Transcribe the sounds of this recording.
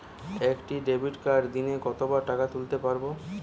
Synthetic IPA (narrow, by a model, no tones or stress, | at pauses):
ekʈiɖebiʈkaɾd̪inekɔt̪obaɾʈakat̪ult̪epaɾbo